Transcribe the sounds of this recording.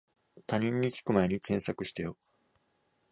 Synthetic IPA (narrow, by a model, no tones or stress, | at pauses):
t̪aɲ̟ĩɲ̟ːikʲi̥kɯ̟mae̞ɲ̟ikʰẽ̞ɰ̃sakɯ̟ɕi̥t̪ejo